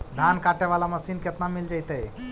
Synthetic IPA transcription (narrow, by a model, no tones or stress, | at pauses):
d̪ʱankaʈeʋalaməsinket̪namild͡ʒajt̪əj